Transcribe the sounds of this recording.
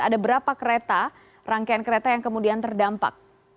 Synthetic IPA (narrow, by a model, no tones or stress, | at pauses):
a̰dabəɾapakəɾet̪a | raŋkaankəɾet̪ajaŋkəmudiant̪ərdampa̰k̚